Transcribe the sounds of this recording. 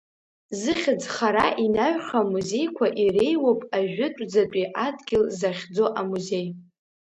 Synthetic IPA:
zɨχʲɪd͡zχaɾaʔinaɥχamuze̞jkʷʰaʔire̞jwopʼaʒᶣʊtʷʼd͡zat͡pʷʼiʔadɡʲɪlzaχʲd͡zo̞ʔamuze̞j

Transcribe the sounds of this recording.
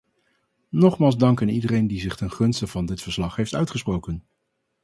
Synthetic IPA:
nɔχmaːlˠzdɑŋkənidərejndizɪχtɛnχɵnstəv̥ɑndɪtfəɹslɑχɦejftœ̰ɥtχəsprowkən

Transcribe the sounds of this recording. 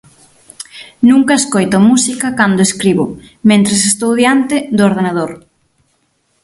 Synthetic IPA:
nuŋkɐeskojt̪omusikɐkand̪ʊeskɾiβʊ | mẽnt̪ɾes̬est̪owðjant̪ɪd̪ʊoɾð̞enað̞oɾ

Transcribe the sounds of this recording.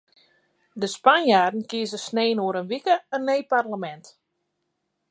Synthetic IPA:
dəspanjaːrdn̩kiəzəsneːnoəɾənʋikəənejparləmɛnt

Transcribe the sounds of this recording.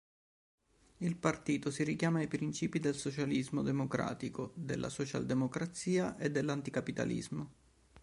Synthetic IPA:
ilpart̪iːt̪osiɾikjaːmaːjpɾint͡ʃiːpid̪elsot͡ʃalizmod̪emokɾa̰ːt̪ikod̪elːʔa̰sɔt͡ʃa̰ld̪emokɾat̪siːaʔed̪ːelːant̪ikapit̪a̰lḭzmo

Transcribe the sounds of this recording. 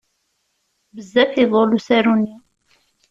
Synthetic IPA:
bəzːæfiðˤolusæɾun

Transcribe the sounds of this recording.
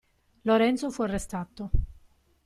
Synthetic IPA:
loɾɛnt̪sofuarːest̪at̪ːo

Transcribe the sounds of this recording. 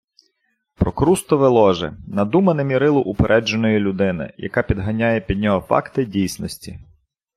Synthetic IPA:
pɾɔkɾust̪ɔʋɛlˠɔʒɛ̰nɐd̪umɐnemʲiɾɪlˠɔʔupeɾʔɛd͡ʒenɔjilʲʊd̪ɪnɪ̰jɐ̰kɑpʲid̪ɦɐnʲajɛpʲid̪̚ʲnʲɔɦɔfɑ̰kt̪ɪdʲijsʲnɔsʲtʲi

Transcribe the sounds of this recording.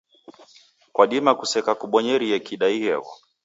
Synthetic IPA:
kwaɗimakusɛkakuɓɔɲɛɾiɛkiɗaihɛ̰ɣɔ̰

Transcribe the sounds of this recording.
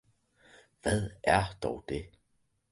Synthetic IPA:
ʋæð̰ˠæɐd̥ɒʊd̥e̝

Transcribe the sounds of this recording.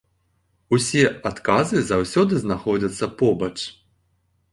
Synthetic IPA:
usʲɛat̪kazɨzawsʲɔd̪ɨznaxɔd͡zʲɐt̪sːɐpɔbɐt͡ʂ

